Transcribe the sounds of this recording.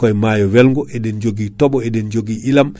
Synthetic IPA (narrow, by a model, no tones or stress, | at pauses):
kɔjmaːjɔwɛlŋɡɔʔɛɗɛnd͡ʒoɡitɔɓɔɛɗɛnd͡ʒoɡiʔilam